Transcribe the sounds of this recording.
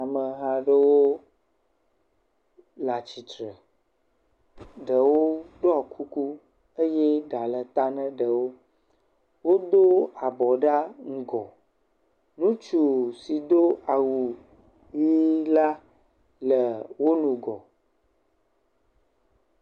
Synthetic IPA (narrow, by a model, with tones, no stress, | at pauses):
a˨mə˨ɦa˦ɖə˦wo˦ | la˨t͡ɕi˨t̪ɾə˨ | ɖə˨wo˦ɖo˦a˨kʰu˦ku˦ | ə˦jɛ˦ɖa˨lə˨t̪a˦nə̃˦ɖə˨wo˦ | wo˦d̪o˦a˨bɔ˨ɖa˦ŋ̩˦ɡɔ˨ | nũ˦t͡ʃu˨si˨d̪o˦a˨wu˨ | ji˦la˦ | lə˨wo˦nũ˨ɡɔ˨